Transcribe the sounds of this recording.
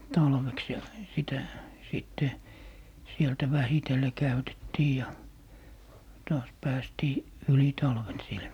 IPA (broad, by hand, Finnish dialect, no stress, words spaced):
tɑlʋeks jɑ sitæ siˑtːe sieltæ ʋæhitelːe kæytetːiː jɑ tɑːs pæːstiː yli tɑlʋen sil